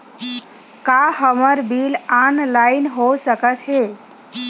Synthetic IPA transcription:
kaɦəməɾbilanlaɪnɦosəkət̪ɦe

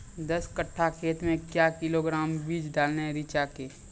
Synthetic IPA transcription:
d̪əskəʈʰːakʰeːt̪mẽkjaːkɪloɡɾaːmbiːd͡ʒɖaːlneɦɛ̃ɾit͡ʃakeː

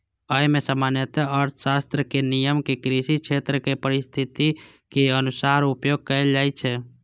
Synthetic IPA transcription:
əmesəmanjət̪eəɾt̪ʰə̥sast̪ɾəkenijəmkekɾisikt͡ʃʰet̪ɾəkepəɾist̪ʰit̪i | keənusaɾupjoɡ̚kəld͡ʒaɪt͡ʃʰɛ

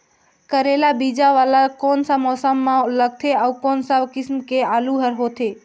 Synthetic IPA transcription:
kəɾelabid͡ʒaʋalakoːnsamɔsəmːãləɡ̚t̪ʰeaukonsakɪsmkealuɦəɾɦot̪ʰe

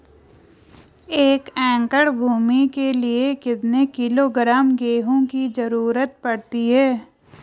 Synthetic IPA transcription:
eːkɛ̃ːŋkəɽbʱuːmikeliekɪt̪nekɪloːɡɾaːmɡeːɦõkizɐɾuːɾət̪̚pɐɽt̪iɦɛː

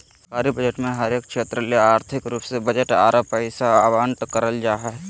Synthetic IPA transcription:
səkaːɾibəd͡ʒəʈmẽɦəɾeːk̚ʃeːt̪ɾəleaːɾt̪ʰɪkɾuːpsebəd͡ʒəʈa̰ːɾʔəpəɪsaʋaːɳʈkəɾəld͡ʒaːɦɛ

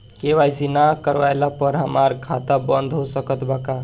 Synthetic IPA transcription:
keʋajsinakəɾʋajlapəɾɦəmaɾkʰat̪abənd̪ʱɦosəkət̪baka

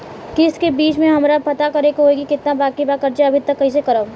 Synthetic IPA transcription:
kɪskebiːt͡ʃmẽɦɐmɾapɐt̪akɐɾekɦoeːɡikɪt̪nabaːkibaːkɐɾt͡ʃeɐbʱit̪ɐkːɐɦis̬ekɐɾəb

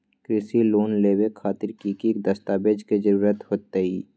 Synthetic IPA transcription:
kɾɪsiloːnleːwekʰaːt̪ɪɾkikik̚d̪əst̪aːbed͡ʒked͡ʒəɾuːɾət̪ɦoːt̪əiː

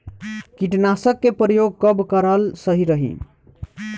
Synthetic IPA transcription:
kiʈnasəkːepɾəjoɡ̚kəbkəɾəlsəɦiɾəɦḭ

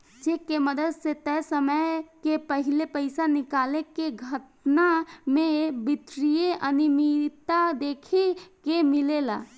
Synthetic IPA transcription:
d͡ʒekeməd̪əd̪set̪ɛsəməkepəɦilepəɪsanɪkaːlekeɡʱət̪namẽbɪt̪ɾijeʔənimit̪ad̪eːkʰekemilela̰

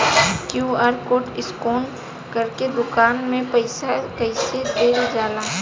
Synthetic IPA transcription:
kjuːaːɾkoːʈɪskoːn | kɐɾked̪ʊkaːnmẽpəɪsakɐɪsed̪eːld͡ʒaːlaː

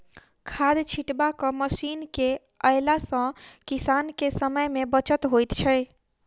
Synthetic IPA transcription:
kʰad̪t͡ʃʰiʈbakəməsinke | əjlasə̃kisankesəməjmebət͡ʃət̪ɦojt̪t͡ʃʰə

